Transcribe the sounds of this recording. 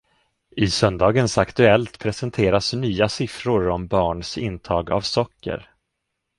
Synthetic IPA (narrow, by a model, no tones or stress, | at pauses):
ɪsœnd̪ɑːɡənsakt̪ɵɛlt̪pʰɾɛsənt̪ʰeːɾasnyːasɪfɾʊɾɔmbɑːɳsɪnt̪ʰɑːɡa̰vsɔkːə̰ɾ